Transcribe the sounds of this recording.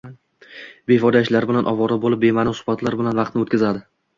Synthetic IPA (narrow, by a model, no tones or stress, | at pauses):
be̞fɒd̪aɪʃlaɾbɪlanʔɒvɒɾabolɪp̚be̞manɪsʊ̥hbat̪ʰlaɾbɪlanvɑq̚t̪nɪot̪̚ʲkʲazad̪ɪ